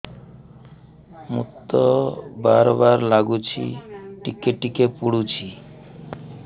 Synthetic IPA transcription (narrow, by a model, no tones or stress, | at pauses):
mṵt̪ːobaɾbaɾlaɡut͡ɕʰḭʈikːeʈːikepuɽut͡ɕʰi